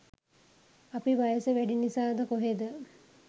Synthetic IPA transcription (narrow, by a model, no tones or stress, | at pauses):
apiʋajəsəʋæɖinisaːd̪əkoɦed̪ə